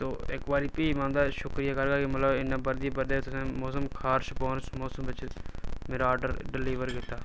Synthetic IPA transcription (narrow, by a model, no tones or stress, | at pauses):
t̪oːɪkbaːɾiːpiːmãːnd̪aːʃʊkɾijaːkəɾɡaːkimət̪ləbɪnẽːbəɾd̪iːbəɾd̪eːt̪ʊsẽːmoːsəmkʰaːɾʃpoːnsmoːsəmʋɪt͡ʃmeːɾaaːɾɖəɾɖɪliːʋəɾkɪt̪ːaː